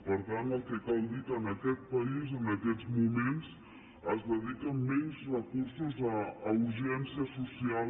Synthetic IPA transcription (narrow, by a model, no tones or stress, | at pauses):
pəɾt̪anəlˠkɛkalˠd̪it̪ənəkɛt̪̚pəizənəkɛzmumens | əzðəðikəmɛnzrəkuɾsuzəːuɾʒɛnsiəsusial